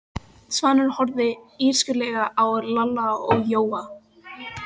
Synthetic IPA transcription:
svanːʏɾ̥hɔɾðɪiɾ̥skʏlɛːɣaʔawɾlalaɔɣjoːwa

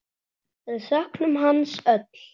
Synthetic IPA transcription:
ɛsœhknʏmɦanːsœt̪l̥

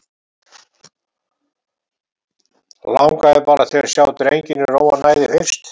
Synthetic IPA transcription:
la̰wŋkaɛðpaːɾaθɛːɣaɾ̥sjaːwt̪ɾejɲcɪnːʏɾoːwa̰ðnaːjðɪfɪ̥st̪

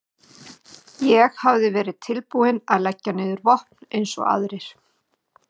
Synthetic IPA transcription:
jɛɣhavðɪvɛːɾɪðt̪ʰɪlpuːɪnaðlɛcːanɪːðʏɾvɔhpnejnsɔ̰a̰ðɾɪɾ̥

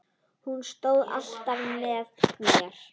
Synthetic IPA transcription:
hunst̪oːwða̰l̥t̪avɪːɛːðmijaɾ̥

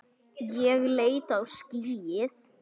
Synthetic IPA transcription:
jɛɣleːjt̪awsciːjɪθ

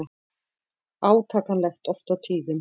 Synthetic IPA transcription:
a | aːwt̪ʰaːkanlɛjxt̪ɔft̪awt̪ʰiːðɪm

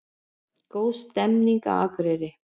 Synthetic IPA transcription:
kowst̪ɛmniŋka̰a̰kɾeɾɪ

